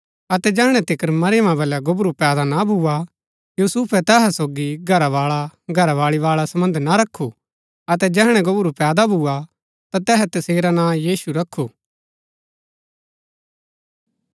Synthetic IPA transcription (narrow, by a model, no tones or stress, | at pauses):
ɐt̪ɛd͡ʒɛːɦɽ̃ɛt̪ɪkəɾmɐɾɪjəmãbɐljaɡʊbɾupɛːd̪anabʱua | juːsuːpʰɛt̪ɛːɦɛsoːɡiɡʱɐɾaʋaːɭaɡʱɐɾaʋaːɭiʋaːɭasɐmə̃nd̪naɾɐkʰːu | ɐt̪ɛd͡ʒɛːɦɽ̃ɛ̃ɡʊbɾupɛːd̪abʱuːa | t̪at̪ɛːɦɛt̪ɐseːɾanãːjiːsuɾɐkʰːuː